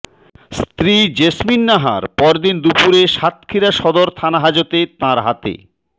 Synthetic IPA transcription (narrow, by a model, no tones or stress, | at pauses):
st̪ɾid͡ʑesminːaɦa̰ɾpɔɾd̪ind̪upuɾeʃat̪̚kʰiɾaʃɔd̪oɾt̪ʰanaɦad͡ʑot̪et̪ãɾɦat̪ḛ